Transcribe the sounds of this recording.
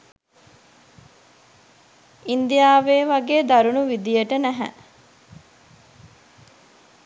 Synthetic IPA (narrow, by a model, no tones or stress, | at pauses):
ind̪ijaːʋeːʋaɡeːd̪aɾunuʋid̪ijəʈənæɦæ̰